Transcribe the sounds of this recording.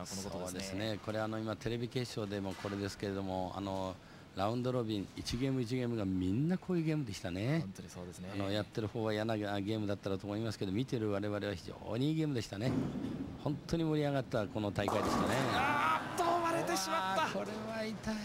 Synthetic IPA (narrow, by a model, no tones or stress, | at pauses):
so̰ːd̪e̞sɨne̞ko̞ɾeano̞imat̪e̞ɾe̞bʲike̞ːɕo̞ːd̪e̞mokʰo̞ɾe̞d̪e̞sɨ̥ke̞ɾe̞d̪o̞mo̞a̰no̞ | ɾaɯ̟̃nd̪o̞ɾo̞bʲĩɰ̃it͡ɕiɡe̞ːmɯit͡ɕiɡe̞ːmɯɡamʲinːakʰo̞ːjɯ̟ːɡe̞ːmɯd̪e̞ɕi̥t̪ane̞d̪ano̞jat̪ːe̞ɾɯ̟ho̞ːɡaijanaɡaɡe̞ːmɯ̟d̪at̪ːaɾat̪oːmoimasɨ̥ke̞d̪o̞mʲit̪eɾɯ̟βaɾe̞βaɾe̞βaçiʑo̞̰ːɲ̟iiːɡe̞ːmɯ̟d̪e̞ɕi̥t̪anehõ̞nt̪ʰːo̞ɲ̟imo̞ɾʲiaɡat̪ːako̞no̞t̪aikaid̪e̞ɕi̥t̪aneat̪ːoβaɾet̪eɕimaːakoɾeβait̪a